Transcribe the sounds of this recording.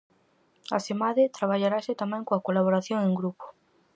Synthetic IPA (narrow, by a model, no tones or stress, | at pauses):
a̰semaðɪt̪ɾaβ̞aʎaɾasɪt̪amɛ̃ŋkoakolaβ̞oɾaθjoŋẽŋɡɾupo̥